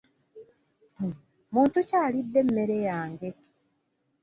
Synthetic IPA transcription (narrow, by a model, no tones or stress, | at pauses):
muːntucaːlidːe̞m̩me̞ɾejaːŋɡeke̥